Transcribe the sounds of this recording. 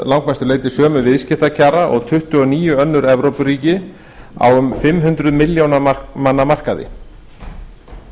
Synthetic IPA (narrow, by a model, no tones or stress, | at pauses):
lawŋkmast̪ʏɾleːjt̪ɪ̥sœːmʏvɪðscɪht̪acʰaːɾaʔɔ̰ɣt̪ʰʏht̪ʏɔniːjʏœnːʏɾɛvɾowpʏɾiːcɪ | a̰wʏmfɪmɦʏnt̪ɾʏðmɪljownamanːamar̥kaðɪ̰